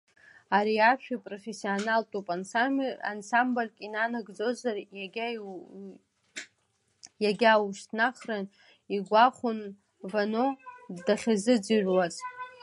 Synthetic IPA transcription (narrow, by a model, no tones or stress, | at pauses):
aɾiaʃᶣapʼrofesionaltʼupʼana̰nsamblʲkʼinanaɡd͡zo̞zarʲ | jaɡʲawuʃtʰnaχran | iɡʷaχʷʊn | vanodaχʲazɨd͡ziʒᶣwaz